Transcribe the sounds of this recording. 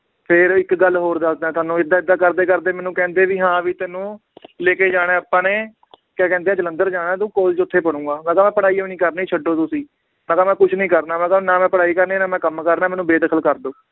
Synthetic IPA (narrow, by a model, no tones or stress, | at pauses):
pʰɪɾɪkɡəlːɦoːɾd̪asd̪ãːt̪ʊaːnũːɪd̪ːaːɪd̪ːaːkəɾd̪eːkəɾd̪eːmɛːnũːkɛ̃ːnd̪eːʋiːɦãːʋiːt̪ɛːnũː | leːkeːd͡ʒaːɽeːəpːãːneː | kɛːkɛ̃ːnd̪eːɛ̃ːd͡ʒələnd̪əɾd͡ʒaːnãːt̪ũːkoːlt͡ʃʊt̪ʰːeːpəɽ̃ũːɡaːnãːkaːmɛ̃ːpəɽaːiːonĩːkəɾnːiːt͡ʃʰəɖːoːt̪ʊsĩː | nãːkaːmɛ̃ːkʊt͡ʃʰnĩːkəɾnaːmɛ̃ːkanaːmɛ̃ːpəɽaːiːkəɾneːnaːmɛ̃ːkəmkəɾnaːmɛːnũːbeːd̪əkʰəlkəɾd̪oː